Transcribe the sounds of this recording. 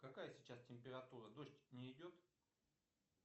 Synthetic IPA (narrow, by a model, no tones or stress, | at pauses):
kɐkajəsʲɪt͡ɕastʲɪmʲpʲɪɾɐt̪uɾəd̪o̞ɕtʲnʲɪɪdʲo̞t̪